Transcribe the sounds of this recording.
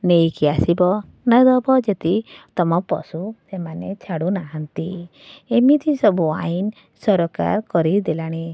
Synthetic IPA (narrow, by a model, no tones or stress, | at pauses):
nejkiasibɔ | nad̪ɔbɔd͡ʒet̪it̪ɔmɔpɔ̰susemanet͡ʃʰaɽunaɦant̪i | emit̪ʰisɔbua̰in | sɔɾɔka̰ɾkɔɾid̪elaɽ̃e